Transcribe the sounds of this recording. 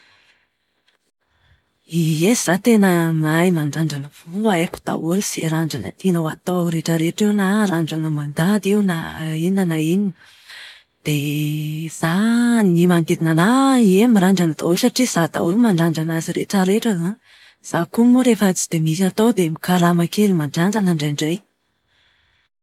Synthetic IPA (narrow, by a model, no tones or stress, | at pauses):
iez̥at̪enəmajmaɳɖ͡ʐaɳɖ͡ʐanəv̥uaepu̥d̪̥a̰wulseɾaɳɖ͡ʐanə̰t̪inawat̪oɾeʈ͡ʂəɾeʈ͡ʂiwnaɾaɳɖ͡ʐanəmand̪ad̪iwnainanaini | d̪̥e | z̥animaŋɡ̪ed̪inanaiemiɾaɳɖ͡ʐanat̪osaʈ͡ʂiz̥ad̪a̰umaɳɖ͡ʐaɳɖ͡ʐanaziɾḛʈ͡ʂəɾeʈ͡ʂəza | z̥akumoɾefat͡si̥d̪̥emisat̪od̪emikaɾamakelimaɳɖ͡ʐaɳɖ͡ʐanaɳɖ͡ʐaɳɖ͡ʐej